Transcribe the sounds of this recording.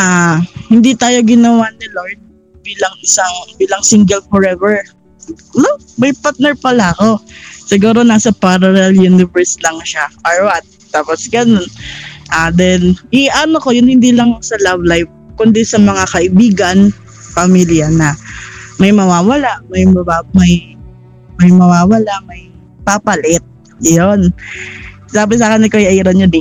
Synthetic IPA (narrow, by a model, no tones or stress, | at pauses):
ʔahɪnd̪it̪aːjo̞ɡɪnɐwanɪloɹd̪̚ | biːlɐŋɪsaŋbiːlɐŋsiŋɡɛlfɔɹɛvɛɹ | lo | mɐjpaɹt̪̚nɛɹpɐlaɐko̞sɪɡuːɾo̞naːsɐpaɾɐlɛljunɪvɛɹslɐŋʃaʔoɹwat̪̚ːaːposɡɐno̞nʔaːd̪ɛnʔɪʔɐnoko̞jʊnhɪnd̪iːlɐŋsɐlavlajv | kʊnd̪isɐmɐŋakɐʔɪbiːɡɐn | pɐmiljɐnɐmɐjmɐwaːwɐlamɐjmɐbamɐj | mɐjmɐwaːwɐlaʔmɐj | papɐlɪt̪̚ | jon | saːbɪs̬aːkɐnɪkojɐiɾoɲod̪i